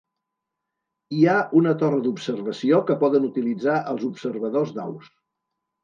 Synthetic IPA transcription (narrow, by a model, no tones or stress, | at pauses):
iaunət̪orəd̪upsərβəsiokəpɔðənut̪ilid͡zaʔəlˠzupsəɾβəðozd̪a̰ws